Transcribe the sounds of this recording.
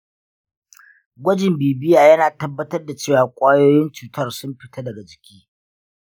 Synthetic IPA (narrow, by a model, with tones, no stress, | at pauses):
ɡʷɐ˦d͡ʒɪ˨mbiː˨bɪ˦jaː˨jɐ˦naː˨tɐ˦bːɐ˦tɐ˦rda˨t͡ʃeː˦˨wa˨kʷʼaː˦joː˦jɪ˦nt͡ʃuː˨tɐ˦˨rsʊ˦mɸɪ˨tʰa˦dɐ˨ɡa˨d͡ʒɪ˨kʲʰiː˦